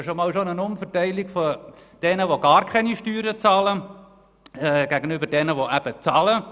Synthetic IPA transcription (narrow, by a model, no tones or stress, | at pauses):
ʃomɑːlʃonənʊmfətæɪlikfod̥ɛnəʋoɡɑːɾkʰχɛniʃtyːɾət͡sɑːlə | ɛɡ̥æɡənʏbəd̥ɛnəʋoʔæb̥ət͡sɑːlə